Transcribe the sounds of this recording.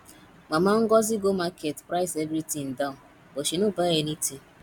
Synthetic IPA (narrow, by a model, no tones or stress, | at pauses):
ŋ͡mamaŋ̩ɡɔzɪɡomaketpɾaɪsevɾitĩŋn̩daʊn | oʃinʊbaɣeniti